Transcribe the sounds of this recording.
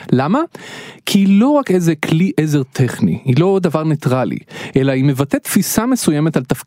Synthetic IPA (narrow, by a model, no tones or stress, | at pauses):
lamakʰiilo̞ʁakezekliʔeze̞ʁt̪ʰeχnḭhilo̞davaʁne̞t̪ʁalḭʔelaime̞vat̪et̪fisamesujemetalt̪afk